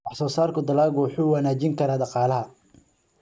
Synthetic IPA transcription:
wɑħsɔːsaːrkʰʊd̪ɐlaːɣʊwħʊːwɑnaːt͡ʃɪŋkʰɐɾaːdɑqɑːlɐɦɐ

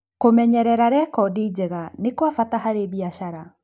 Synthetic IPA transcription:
komɛɲɛɾɛɾaɾɛkɔdiːd͡ʑɛɣanekwafataɦaɾeβiaʃaɾa

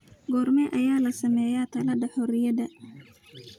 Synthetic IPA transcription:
ɡɔrmɛʔɐjaːlɐsɐmɛːjat̪ʰɐlɐd̪ɐħɔɾɪjɐd̪ɐ

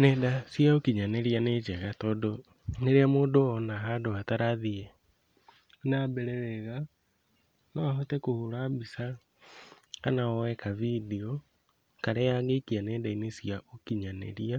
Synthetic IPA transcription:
nɛdasjaokiɲaneɾianet͡ʃɛɣatɔdo | neɾeamoːdoːnaɦandoataɾaðiɛ | nabɛɾɛwɛɣa | nɔaɦotɛkohuɾabisa | kanaɔwɛkaviðiɔ | kaɾɛjaɣekianɛːdainesijaʔokiɲanḛɾia

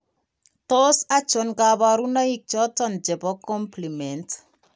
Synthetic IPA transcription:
tosat͡ʃonɡabaɾunaik̚t͡ʃɔtɔnd͡ʒɛbɔkɔmplimɛnt

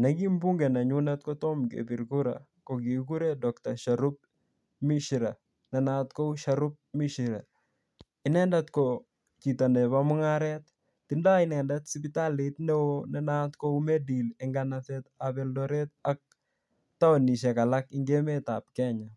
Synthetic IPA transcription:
nɛkimbuŋɡɛnaɲunat̪kɔtɔmkḛbiɾkuɾa̰ | kɔkikuɾedɔk̚t̪aʃaɾup̚ | miʃiɾa | nɛnat̪kouʃaɾup̚miʃiɾa | ɪnɛndat̪kɔ | t͡ʃitanɛβamʊŋaɾɛt̪ː | ɪndaɪnɛndat̪sipɪtalit̪nɛwonɛnat̪koumɛdilɛŋɡanaθɛt̪abɛldɔɾɛt̪ak̚ | taɔniʃɛkalakɪŋɡemet̪ap̚kɛɲa

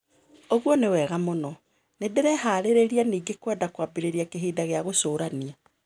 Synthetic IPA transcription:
oɣwɔnewɛːɣamonɔ | nedeɾɛɦaɾeɾeɾianiːɡekwɛdakwaːbeɾeɾiakeɦiːdaɣeaɣosoːɾania

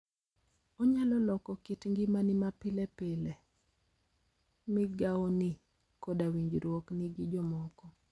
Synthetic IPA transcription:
ɔɲalɔlɔkɔkɪtŋɡɪmanɪmapɪlɛpele | mɪɡawɔnɪ | kɔdawiɲd͡ʒɾwɔknɪɡɪd͡ʒɔmɔkɔ

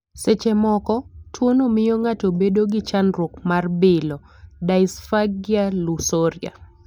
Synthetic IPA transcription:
set͡ʃemɔkɔtʰwonomɪjoŋatobedoɡɪt͡ʃanɾwokmarbɪlɔ | daɪsfaɡjalusoɾja̰

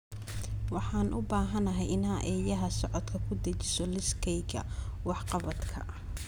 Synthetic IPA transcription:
wɑħɑːnʔʊbaːɦɐnɐɦɛjɪnaʔɛːjɐɦɐsɔʕɔd̪kʰɐkʰʊd̪ɐt͡ʃɪ̥sɔlɪskʰɛjɡɐ̰wɑħqɑβɐd̪kʰɐ̰

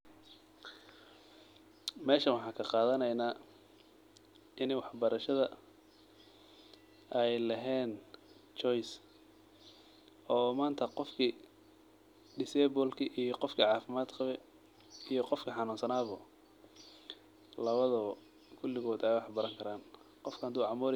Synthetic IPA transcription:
mɛːʃɐnwɑħɑːkʰɐqɑːðɐnɛjnaː | ʔɪnɛjwɑħbɐɾɐʃɐðɐ | ʔɛjlɐɦɛːnt͡ʃɔjs | ɔːmaːnt̪ʰɐqɔfkʰi | ɖɪsɛːbʊlkʰiʔijɔqɔfkʰiʕɑːfɪmaːd̪qɑβɛ | ijɔqɔfkʰiħɑnuːnsɐnaːβʊ | lɐβɐðɔ | kʰʊlːɪɣɔːd̪ɛjwɑħbɐɾɐŋkʰɐɾaːn | qɔfkʰɐhɐd̪uːʕɑmuːɾ

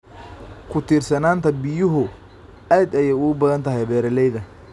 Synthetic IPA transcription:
kʰʊt̪ʰiːrsɐnaːnt̪ʰɐbɪjʊɦʊ | aːd̪ɐjɐʊbɐðɐnt̪ʰɐɦɛjβɛːɾɐlɛjðɐ

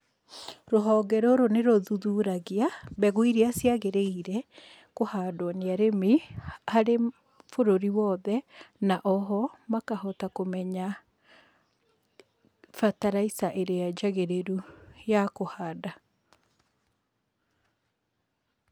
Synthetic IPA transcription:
ɾoɦɔːɡɛɾoɾoneɾoðuðuɾaɣiabɛɣoiɾiasjaɣeɾeiɾɛ | kohadɔneaɾemehaɾe | foɾoɾiwɔːðɛnaʔɔɦɔmakahɔtakomɛɲa | fataɾaisaʔeɾejad͡ʒaɣeɾeɾujakohaːda

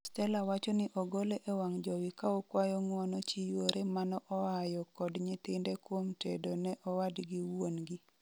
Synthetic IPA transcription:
stɛlawat͡ʃɔnɪʔɔɡoleʔewaŋd͡ʒɔwɪkaɔkwajɔŋwɔnɔt͡ʃijwoɾʔemanɔʔɔajɔkɔdɲɪt̪ɪndɛkwomtedonɛʔɔwadɡɪwonɡi

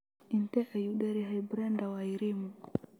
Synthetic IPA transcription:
intɛʔɛjuɗɛɾiɦabɾɛndawaiɾimu

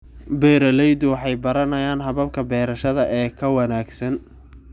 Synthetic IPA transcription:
bɛːɾɐlɛjd̪ʊwɑħɑjbɐɾɐnɐjaːnɦɐβɐb̚kʰɐbɛːɾɐʃɐðɐʔɛːkʰɐwɐnaːɡsɐn

